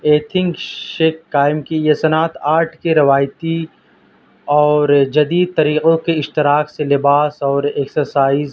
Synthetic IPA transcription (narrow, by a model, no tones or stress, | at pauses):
eːt̪ʰɪ̃ŋkʃeːkːaːɪmkijesɐnaːt̪ʰaːɾʈʰkeɾɪʋaːjt̪i | ɔːɾd͡ʒɐd̪iːd̪̚t̪ɐɾiːqõkeɪʃt̪ɪɾaːkselɪbaːsɔːɾeksəɾsaːiz